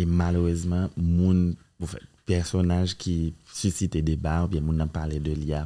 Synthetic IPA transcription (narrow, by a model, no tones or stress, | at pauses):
emaløʁøzmãmũn | pufɛ̰pɛʁsɔnaʒkʰʲisysit̪ed̪ebaubjɛ̃mũnːãpaʁled̪əlia